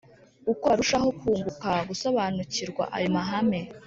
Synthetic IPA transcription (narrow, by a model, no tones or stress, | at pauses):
ukoɾuʃaɦo̞kuːŋɡukaɡuso̞βanuciɾɡwa̰ʔa̰jomaɦame̞